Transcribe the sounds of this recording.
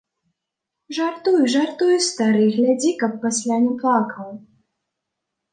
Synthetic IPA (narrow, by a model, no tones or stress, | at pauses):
ʐart̪ujuʐart̪ujust̪aɾɨɣlʲad͡zʲikɐpːasʲlʲanʲɛplˠakɐw